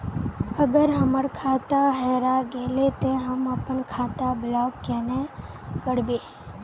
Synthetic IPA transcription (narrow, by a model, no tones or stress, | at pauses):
əɡəɾɦəməɾkʰaːt̪aɦɛːɾaɡeːlet̪eɦəmɐpənkʰaːt̪abɪlaːbkɛːne | kəɽbeː